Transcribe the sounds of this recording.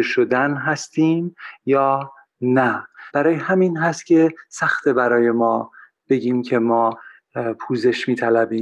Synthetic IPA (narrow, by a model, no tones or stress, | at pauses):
eʃod̪ænɦæst̪ʰiːmjɒː | næb̥æɾɒːjehæmiːnɦæst̪̚cʲʰe̞sæxt̪ʰebæɾɒːje̞mɒː | b̥e̞ɟiːmcʰe̞mɒː | pʰuːze̞ʃmiːt̪ʰælæbiːm